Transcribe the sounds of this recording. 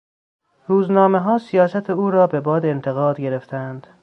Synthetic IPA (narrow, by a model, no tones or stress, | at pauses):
ruːznɒːme̞ɦɒːsijɒːsæt̪ʰeuːɾɒːbe̞bɒːd̪ent̪ʰe̞ɣɒːd̪ɟe̞ɾeft̪ʰænd̪̥